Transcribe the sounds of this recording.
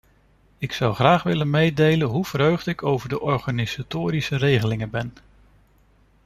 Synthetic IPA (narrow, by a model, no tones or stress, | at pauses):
ɪksʌwχraːχʋɪlənmejdejlənɦuv̥ərɦøɥχdəɪkʰowvəɹdəʔɔɹχaniz̥atoːɾisərejχəlɪŋəbɛn